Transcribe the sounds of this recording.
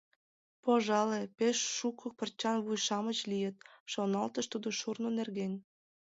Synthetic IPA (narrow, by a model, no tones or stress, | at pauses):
poʒɑlepeʃːukʰɤk̚pərt͡ɕɑnβujʃɑmət͡ɕlijət̪̚ʃonɑlt̪əʃt̪ud̪oʃurnonerɣenʲ